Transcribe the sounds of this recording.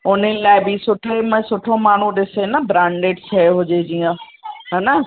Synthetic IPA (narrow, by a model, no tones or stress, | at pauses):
ʊn̤ənɪlaːɪbɪsʊʈʰemə̃sʊʈʰõmaːɳ̤ũɗɪsenɐbɾãːɳɖeːɖt͡ɕʰeɦʊd͡ʑed͡ʑiːjə̃ | ɦaːna